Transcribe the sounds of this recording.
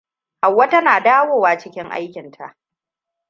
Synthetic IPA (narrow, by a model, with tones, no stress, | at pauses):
ha˨wːa˦tɐ˦naː˨daː˦woː˦˨waː˨t͡ʃɪ˦kʲɪ˦ŋʔa̰˦jkʲɪ˨ntʰa̰˨ʔ